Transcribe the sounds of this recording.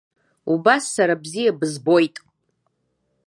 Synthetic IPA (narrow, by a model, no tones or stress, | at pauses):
ubasːaɾabzijabɨzbo̞jtʼ